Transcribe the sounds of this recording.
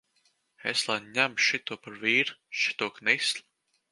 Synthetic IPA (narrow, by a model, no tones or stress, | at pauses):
ɛslˠanɲæmʃit̪uːpaɾviːɾʃi̥t̪uːknislʲ